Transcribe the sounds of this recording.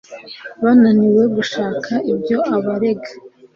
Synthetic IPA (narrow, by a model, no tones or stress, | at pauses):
βananiwe̞ɡuʃaːkʰaʔibɟo̞aβaɾe̞ɡḁ